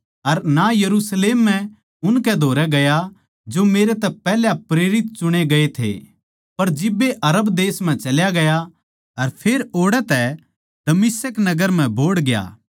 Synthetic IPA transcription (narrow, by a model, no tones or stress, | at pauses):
ɐɾnajɐɾusleːmːɛ̃ | ʊnkɛd̪ʱoːɾɛɡɐja | d͡ʒomeːɾet̪ɛpɛːljapɾeːɾɪt̪̚t͡ʃʊɽ̃eɡɐet̪ʰḛ | pɐɾd͡ʒɪbːeʔɐɾəbd̪eːsm̤ɛ̃t͡ʃɐljaɡɐja | ɐɾpʰeːɾoːɽɛt̪ɛ | d̪̥ɐmɪsəknɐɡəɾm̤ɛ̃bʱoːɽɡja̰ː